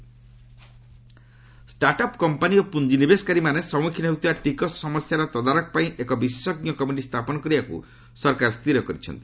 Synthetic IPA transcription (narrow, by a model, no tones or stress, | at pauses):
sʈaɾʈɔpkɔmpaniopund͡ʒinibeskaɾimanesɔmukʰinɔɦut̪ibaʈikɔssɔmɔsjaɾɔt̪ɔd̪aɾɔkɔpaĩʔekɔbise̥sɔɡnjɔkɔmiʈist̪ʰapɔnɔkɔɾibakṵ | sɔɾkaɾst̪iɾɔkɔɾit͡ʃʰɔ̰nt̪i̥